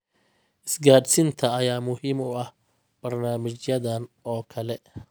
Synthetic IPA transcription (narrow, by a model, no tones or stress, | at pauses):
ʔɪsɡaːd̪sɪnt̪ʰɐɐjaːmʊhiːmʊɐh | b̥ɐrnaːmɪt͡ʃjɐðɐnɔːkʰɐlɛ